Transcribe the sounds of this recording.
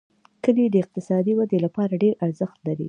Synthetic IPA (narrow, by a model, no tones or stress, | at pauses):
kəd̪id̪əɪq̚t̪ɪsɑd̪iwad̪elapɑɾaɖeɾʔaɾzəxt̪laɾḭ